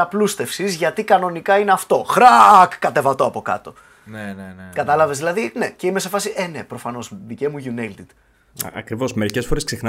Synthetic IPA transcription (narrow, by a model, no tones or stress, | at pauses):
ɐplust̪e̞fsizʝɐt̪ikɐno̞nikɐineɐft̪o̞xɾɐɐkːɐt̪e̞vɐt̪o̞ɐpo̞kɐ̰t̪o̞ | nenkɐt̪ɐlɐve̞zðilɐðine̞ce̞ime̞se̞fɐsiʔe̞nepɾo̞fɐno̞sðicemuʝunet̪id̪̥ | ɐ̰kɾivo̞smeɾicesfo̞ɾesksexn